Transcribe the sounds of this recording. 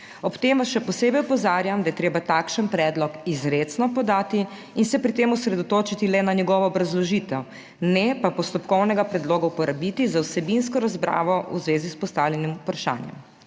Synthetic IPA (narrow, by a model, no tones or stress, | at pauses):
ɔpt̪emʋasʃɛpɔseːbɛjɔpɔzaːɾjamd̪ajɛt̪ɾeːbat̪aːkʃənpɾɛːd̪lɔkizɾet̪snɔpɔd̪aːt̪i | insɛpɾit̪eːmɔsɾɛd̪ɔt̪oːt͡ʃit̪ilɛnaɲɛɡɔːʋɔːbɾazlɔʒiːt̪ɛw | nɛpapɔst̪ɔpkɔwnɛɡapɾɛd̪loːɡaupɔɾabit̪izawsɛbinskɔɾazbɾa̰ːʋɔʔuzʋeːzispɔst̪awljɛnimupɾaʃa̰ːnjɛ̰m